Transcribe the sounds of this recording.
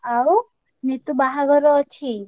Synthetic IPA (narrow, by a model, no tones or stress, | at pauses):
aw | nit̪ubaɦaɡʱɔɾɔːt͡ʃʰi